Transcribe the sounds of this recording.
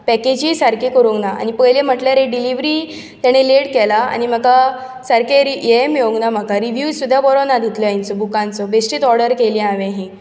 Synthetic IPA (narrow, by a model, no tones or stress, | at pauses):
pɛked͡ʑiːsaɾkikəɾũŋɡnaa̰ñipəjlem̤əʈljaɾeɖiliʋɾiː | t̪jaɽ̃eleɽkɛlaa̰ɽ̃im̤aka | saɾkeɾijemeoŋɡnam̤akaɾiʋjusud̪ʱːjapɔɾonad̪ʱit̪lɔjint͡sɔbukãnt͡sɔbesʈiːt̪ɔɾɽəɾkeliãʋẽɦĩ